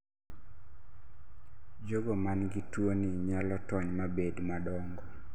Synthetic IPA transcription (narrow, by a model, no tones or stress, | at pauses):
d͡ʒoɡomanɡitwonɪɲalɔtɔɲmabedmadɔŋɡɔ